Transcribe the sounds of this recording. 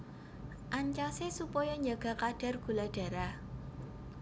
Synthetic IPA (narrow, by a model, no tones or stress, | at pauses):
ʔaɲt͡ʃasesupɔjɔɲd͡ʒaɡ̥a̤kad̥a̤rɡ̥ṳlaɖ̥a̤ɾa